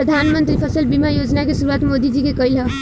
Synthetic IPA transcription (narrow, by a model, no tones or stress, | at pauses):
əd̪ʱanmənt̪ɾipʰəsəlbimajod͡ʒnakesuɾuat̪mod̪id͡ʒikekəilɦə